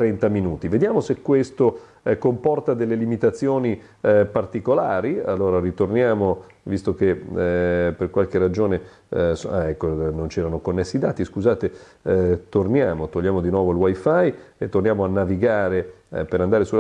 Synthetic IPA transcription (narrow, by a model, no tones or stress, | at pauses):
ɾɛnt̪aminuːt̪ived̪jaːmosekːwest̪o | kompɔrt̪ad̪elːelimit̪at̪sːjoːni | part̪ikolaːɾia̰lːoːɾarit̪ornjaːmo | vist̪ok̟e | perkwalkerad͡ʒoːne | sɛkːonont͡ʃɛːɾanokonːesːid̪a̰ːt̪iskuzaːt̪e | t̪ornjaːmot̪oʎːaːmod̪inwɔːvoilwajfajet̪ːornjaːmoanːaviɡaːɾepeɾand̪aːɾesul